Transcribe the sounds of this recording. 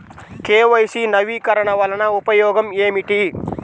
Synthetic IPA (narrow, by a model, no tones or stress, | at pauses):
keːʋɐjsiːnɐʋiːkɐɾɐɳ̃ɐʋɐlɐnaupɐjoːɡɐmeːmiʈi